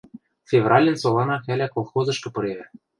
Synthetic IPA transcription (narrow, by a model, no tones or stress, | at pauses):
fʲevrɑlʲɘ̆nsolˠɑnɑxælʲækolˠxozɤ̆ʃkɤ̆pɤ̆ɾeβæ